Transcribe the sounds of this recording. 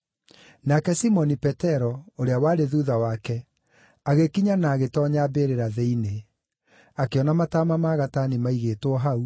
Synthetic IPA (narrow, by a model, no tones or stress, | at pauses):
nakɛsimɔnipɛtɛɾɔoɾeawaːɾeðuðawakɛ | aɣekiɲanaːɣetɔɲabeɾeɾaðeine | akeɔnamataːmamaːɣatanimaiɣeːtwɔɦau